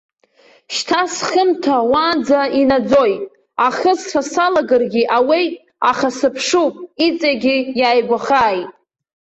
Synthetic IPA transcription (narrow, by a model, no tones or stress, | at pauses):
ʃtʰasχəmtʰawad͡zainad͡zo̞jtʼ | aχəsrasalaɡarɡʲiʔawi | aχasɨpʰʂupʼit͡sʼaɡʲɪjaːjɡʷaχaːjtʼ